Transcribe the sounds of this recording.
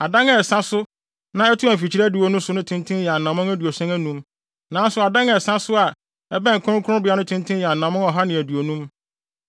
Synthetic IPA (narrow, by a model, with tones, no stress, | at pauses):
a˨dã˦ŋɛ˨sã˦sʊ˦ | nã˦ɛ˦tʰʊ˦æ˨m̩˨fi˨t͡ɕʰi˦ɾæ˦du˨o˨˦nũ˦sʊ˨˦nʊ̃˦tʰɪ̃˦ntʰɪ̃˦njɛ˨a˨nã˨mʊ̃˦æ˦du˨o˨sɛ̃˦ŋæ˦nũ˦m | nã˨n˦sʊ˨a˨dã˦ŋɛ˨sã˦sʊ˦a˨ | ɛ˦bɛ̃˦ŋ̩˨kʰʊ̃˦kʰʊ̃˦ʊ̃˦bɪ˨˦a˦nʊ̃˦tʰɪ̃˦n˦tʰɪ̃˦jɛ˨a˨nã˨mʊ̃˦ŋɔ˨ɦa˦nɪ̃˨æ˨du˨o˨nũ˦m